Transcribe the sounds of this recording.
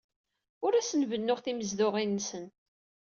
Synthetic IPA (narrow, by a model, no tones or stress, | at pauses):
ʊɾæsənvənːʊʁθiməzðʊʁinːsən